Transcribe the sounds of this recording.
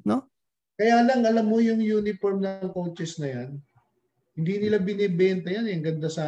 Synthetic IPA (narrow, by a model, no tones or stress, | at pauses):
no̞ | kɐjaːlɐŋɐlamːojʊŋjuːnɪfoɹmnɐŋkowt͡ʃɛsnɐjan | hɪnd̪iːnɪlabɪnɛːbɛnt̪ɐjanjɐŋɡɐnd̪asa